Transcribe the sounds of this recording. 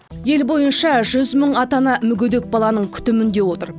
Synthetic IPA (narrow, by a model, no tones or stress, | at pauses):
je̞lbo̞jənʃɑʒʏzməɴɑt̪ɑnɑmʏɡʲʏd̪e̞k̚bɑlˠɑnəɴkʲʰʏ̥t̪ɪmɪnd̪e̞wo̞t̪ə̰ɾ